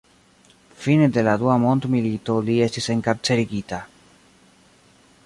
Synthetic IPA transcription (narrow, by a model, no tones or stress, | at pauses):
fined̪elaðuamõnt̪milit̪oliest̪iseŋkap̚t͡seɾiɣit̪a